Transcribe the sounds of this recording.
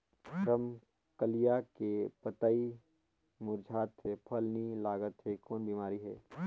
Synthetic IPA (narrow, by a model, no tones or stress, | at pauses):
ɾəm | kəlijakepət̪ai | mʊɾd͡ʒʱaːt̪sepʰɐlnilaːɡət̪ɦɛkɔːnbiːmaːɾiɦɛ̰ː